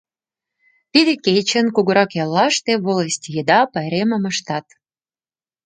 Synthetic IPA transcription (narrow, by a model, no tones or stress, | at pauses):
t̪id̪ekejt͡ɕə̆nkuɣəɾɑkjɑlːɑʃt̪eβoləsʲtʲjəd̪ɑpɑjɾemə̆mə̆ʃt̪ɑt̪